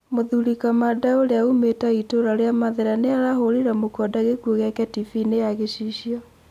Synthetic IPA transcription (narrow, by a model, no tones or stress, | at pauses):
moðuɾikamadaoɾeaumetaitoɾaɾeamaðeɾaneaɾaɦoɾiɾamokɔdaɣekuoɣɛkɛtifinejaɣeɕiʃiɔ